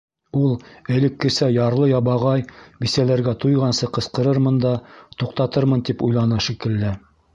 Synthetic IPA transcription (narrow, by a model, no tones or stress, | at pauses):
ulˠɘ̆lɘ̆kːɘ̆sæjɑɾlˠɤjɑβɑʁɑjbisælæɾɡæt̪ujʁɑnsɤqɤ̆sqɤ̆ɾɤɾmɤnd̪ɑt̪uqt̪ɑt̪ɤɾmɤnt̪ipujlˠɑnɑʃikɘ̆lːɘ